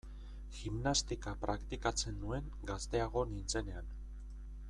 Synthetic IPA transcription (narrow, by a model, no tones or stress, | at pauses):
ximnast̪ikapɾakt̪ikat͡se̞nd̪ue̞ŋ | ɡast̪e̞aɣ̞o̞nint͡se̞ne̞an